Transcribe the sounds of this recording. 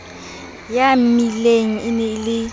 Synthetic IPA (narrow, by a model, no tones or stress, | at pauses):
jamileŋ̩ɪnɛɪlɪ